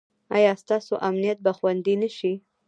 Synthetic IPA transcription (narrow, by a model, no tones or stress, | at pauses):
ɑ̰jɑst̪ɑsoʔamnijat̪̚baxwand̪inəʃi